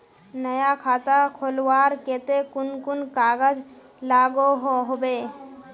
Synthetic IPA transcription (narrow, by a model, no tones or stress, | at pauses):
nəjakʰaːt̪akʰolwaːɾket̪ekʊnkʊnkaːɡəd͡ʒ | laːɡoɦoɦobe